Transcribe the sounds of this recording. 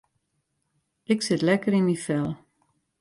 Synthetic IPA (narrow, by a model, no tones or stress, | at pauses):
ʔɪksɪtlɛkəɾinmifɛlˠ